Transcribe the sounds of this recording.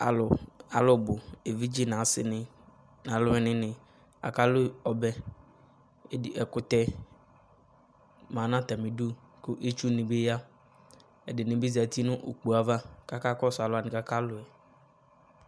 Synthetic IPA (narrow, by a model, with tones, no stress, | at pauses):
a̰˨lʊ˨a˨lʊ˦˨bʊ˨e˨vi˦d͡ʒi˦nã˨sɪ̰˦nɪ˨ | nã˨lʊ˦ɪ˨nɪ̃˨nɪ̃˨ | a̰˨ka˦lʊ˦ɔ˨bɛ˦˨ | ɛ˨kʊ˨t̪ɛ˦ | mã˨nã˦t̪a˨mɪ̃˨du˦ | kʊ˦ʔe˦t͡ʃu˦nɪ̃˨be˦ja˦ | ɛ˨dɪ˨nɪ̃˨bɪ˦za˨t̪i˦nʊ̃˦ʔo̰˨k͡pu˨a˨va˦ka˦ka˦kɔ˦sʊ˨a˨lʊ˨a˨nɪ̃˨ka˦ka˦lʊ˨ɛ˨